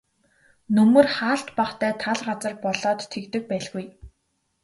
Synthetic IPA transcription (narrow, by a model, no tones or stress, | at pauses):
nɵmɵ̆rχaːɬt̪paχt̪ʰæːt̪ʰaɮɢat͡sə̆rpɔɮɔːt̪ʰːekt̪ɘ̆k̚pæːɮɣuj